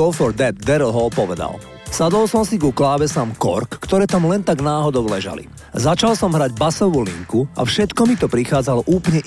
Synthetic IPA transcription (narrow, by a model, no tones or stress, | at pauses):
ɔʊfɔɾd̪ɛd̪̚ːɛɾlˠɦɔlpɔʋɛd̪a̰l | sad̪ɔlsɔmsiɡuklaːbɛsaːmkɔ̰ɾkːt̪ɔɾɛːt̪amlɛnt̪aɡnaːɦɔd̪ɔʊlɛʒa̰lḭ | zat͡ʃalsɔmɦɾaɟbasɔʋuːlḭŋkua̰fʃɛt̪kɔmit̪ɔpɾixaːd͡zalɔʔuːplɲɛ